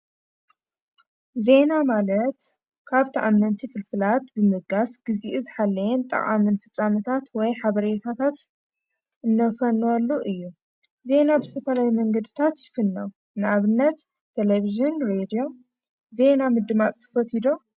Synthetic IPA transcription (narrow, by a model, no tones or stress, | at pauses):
ze̞namalɐt̪ | kʰaβt̪ʰaʔamːɐnt̪ʰifɨlfɨlat̪bɨmɨɡasɡ̥ɨziʔuzɨħalːɐjɛnt̪ʼɐ̰χʼa̰mɨnfɨt͡sʼːamɐt̪ʰat̪wɔjħaβɐɾet̪ʰat̪ʰat̪ | ʔɨnːɐfɐnwɔlːuʔɨjːu | ze̞nabɨst̪ʰɐfɐlawimɐŋɡɐd̪ɨt̪ʰat̪jɪfɨnːɐw | nɨʔaβɨnːɐt̪ʰː | eleβiʒɨnɾed̪ijo̞ | ze̞namɨd̪ɨmat͡sʼt̪ʰɐ̥fɐt̪ʰid̪o